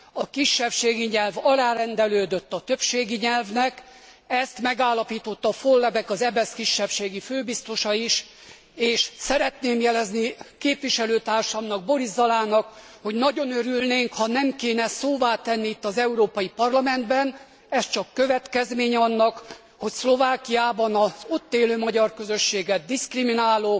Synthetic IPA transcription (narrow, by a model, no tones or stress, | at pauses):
ɒkiʃːɛpʃeːɡiɲɛlvɒlaːɾɛnd̪ɛløːd̪øt̪ːɒt̪øpʃeːɡiɲɛlvnɛk | ɛst̪mɛɡaːlːɒpiːt̪o̞t̪ːɒfolːɛbɛkɒzɛbɛskiʃːɛpʃeːɡiføːbist̪o̞ʃɒiʃ | eːʃsɛɾɛt̪neːmjɛlɛznikeːpʋiʃɛløːt̪aːrʃɒmnɒɡ̚bo̞ɾizːɒlaːnɒk | ho̞ɟnɒɟo̞nøɾylneːŋkhɒnɛmkeːnɛsoːvaːt̪ɛnːiit̪ːɒzɛuɾoːpɒjipɒrlɒmɛnd̪bɛn | ɛst͡ʃɒkːø̞vɛt̪kɛzmeːɲɛɒnːɒk | ho̞cslo̞vaːkijaːbɒnɒzot̪ːeːløːmɒɟɒrkø̞zøʃːeːɡɛd̪̚dːiskriminaːloː